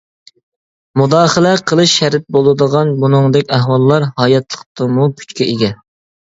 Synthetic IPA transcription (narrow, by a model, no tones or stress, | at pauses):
mud̪ɑːχəlɛqʰəlˠɨʃːæɾɪt̪̚bolˠɨd̪əʁɑnbunɨŋd̪ɛkʲæɦwɑlˠːɑɾhɑjɑt̪lˠəqt̪ɨmupʰy̥t͡ʃkʲɛʔeɡʲɛ